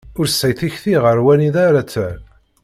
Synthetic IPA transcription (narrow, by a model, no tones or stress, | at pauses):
ʊɾsːæjθiçθiʁəɾwæniðaɾat͡sːæl